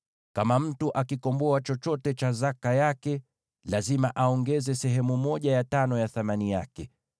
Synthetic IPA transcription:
kamam̩tuʔakikɔmbɔat͡ʃɔt͡ʃɔtɛt͡ʃazakajakɛ | lazimaʔaɔŋɡɛzɛsɛɦɛmumɔʄajatanɔjaθamanijakɛ

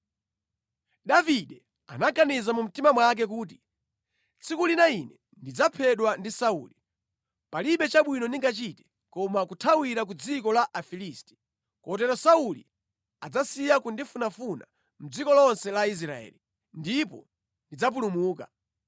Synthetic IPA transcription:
ɗaviɗɛ | anakanizamum̩timamwak̬ɛk̬uːt̬i̥ | t͡sʰikulinainɛ | ndid͡zapʰɛɗwandisaṵːli | paliɓɛt͡ʃaɓwinɔniŋɡat͡ʃitɛ̥ | kɔmakutʰawiɾak̬ud͡zikɔlaʔafilistɛ̥ | kɔt̬ɛɾɔsauli | ad͡zasijakundifunafuna | m̩d͡zikɔlɔnsɛlais̬ɾaɛ̰li | ndipɔ̰ | ndid͡zap̬ulumuːka̰

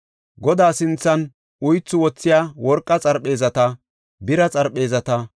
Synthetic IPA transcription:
ɡɔd̪aːsɪnt͡sːɐn | ʊjt͡sːʊwɔt͡sːɪjaːwɔɾkʼːɐt͡sʼɐɾɓe̞ːzɐt̪ɐ | bɪɾɐt͡sʼɐɾɓe̞ːzɐt̪ɐ

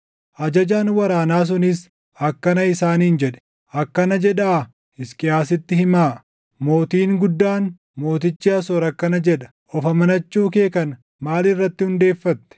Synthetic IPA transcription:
ʔɐd͡ʒɐd͡ʒaːnwɐɾaːnaːs̬ʊnɪs | ɐkːɐnɐɪsaːniːnd͡ʒɛᶑɛ̥ | ɐkːɐnɐd͡ʒɛᶑaː | ɪskʼɪjaːsɪt̪ːɪhɪmaːʔ | mo̞ːt̪iːŋɡʊd̪ːaːn | mo̞ːt̪ɪt͡ʃːɪɐsɔːɾɐkːɐnɐd͡ʒɛᶑɐ̥ | ʔɔfɐmɐnɐt͡ʃːuːk̬e̞ːkɐn | maːlɪrːɐt̪ːɪhʊnd̪e̞ːfːɐt̪ːɛ̥

